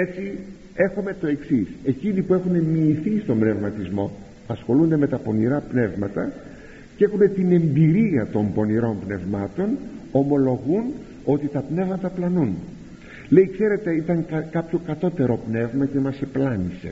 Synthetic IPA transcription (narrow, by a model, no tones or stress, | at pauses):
e̞t͡si | e̞xome̞t̪o̞e̞ksise̞cinipue̞xune̞miːθist̪o̞mbne̞vmɐt̪izmo̞ | ɐsxo̞lund̪e̞me̞t̪ɐpo̞niɾɐpne̞vmɐt̪ɐ | cee̞xune̞t̪ine̞mbiɾiɐt̪o̞mbo̞niɾo̞mpne̞vmɐt̪o̞no̞mo̞lo̞ɣun | o̞t̪it̪ɐpne̞vmɐt̪ɐplɐnun | le̞ikse̞ɾe̞t̪e̞it̪ɐŋkkɐpço̞kɐt̪o̞t̪e̞ɾo̞pne̞vmɐce̞mɐse̞plɐnise̞̰